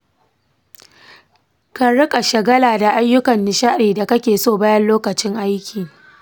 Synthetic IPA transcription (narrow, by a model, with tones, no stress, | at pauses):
ka˨ɽɪ˦kʼa˨ʃɐ˨ɡɐ˦laː˨da˨ʔa˦jːʊ˦kɐ˨nːɪ˨ʃa˦ɗiː˨da˨kɐ˦kʲeː˨soː˦˨baː˦jɐ˦nloː˦kɐ˨t͡ʃɪ˦ŋʔa˦jkʲiː˨